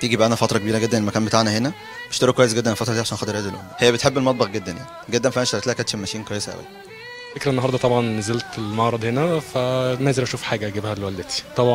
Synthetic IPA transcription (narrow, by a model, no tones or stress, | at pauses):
t̪iːɡibæʔænæfɑt̪ɾˤɑkebiːɾæɡed̪ːænelmækæːnmbet̪aʕnæhenæ | be̥ʃt̪ɑɾokwæjesɡed̪ːænelfɑt̪ɾˤd̪iːʕaʃænxɑt̪ːeɾʔæːd̪elʔænæhejːæbet̪ħebːelmɑt̪̚ˤbɑxɡed̪ːænja̰ʕni̥ɡed̪ːænfæʔænʃt̪æɾet̪læːækæːt̪ʃelmæʃiːnkwæjːesæʔæ̰wæ̰æ | fekɾæʔenːoɦɑɾˤd̪ˤɑt̪ˤɑbʕɑnːezelt̪elmɑʕɾˤɑd̪henæfænæːzelʔæʃuːfħaːɡæʔæɡibhælewæld̪æt̪i̥t̪ˤɑbʕ